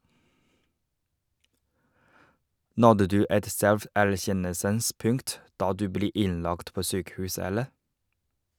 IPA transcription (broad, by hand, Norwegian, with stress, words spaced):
ˈnɔdə ˈdʉː ˈɛt ˈsɛlfæɾˌçɛnəlsəns ˈpʉŋt ˈdɑː ˈdʉː ˈbleː ˈɪnˌlɑkt ˈpoː ˈsyːkəˌhʉːs ˈɛləɾ